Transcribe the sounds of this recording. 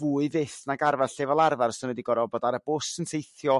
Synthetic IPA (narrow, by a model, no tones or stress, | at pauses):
vuːɨvɪθnaɡarvarɬɛvalˠarvarsɪnwɛdiɡɔɾɔbɔdaɾəb̥ʊsənsʰejθjɔ